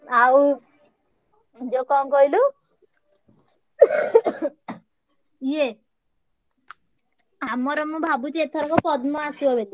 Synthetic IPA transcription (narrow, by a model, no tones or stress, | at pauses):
au | d͡ʒokɔmkɔilu | je | amɔɾɔmɔbʱabut͡ʃet̪ʰɔɾɔkɔpɔd̪mɔ̃asuɔʋet̪i